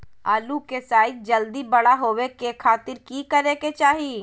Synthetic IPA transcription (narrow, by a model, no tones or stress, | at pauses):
aːlukesaːɪt̪̚d͡ʒɐld̪ibɐɽaɦoːwekekʰaːt̪ɪɾkikɐɾeːket͡ʃaːɦiː